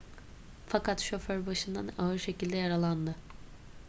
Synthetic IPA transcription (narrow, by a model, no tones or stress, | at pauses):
fakʰat̪ʃo̞føɾbaʃɯnd̪a̰naɯɾʃe̞cilʲd̪ɛjaɾalˠand̪ɯ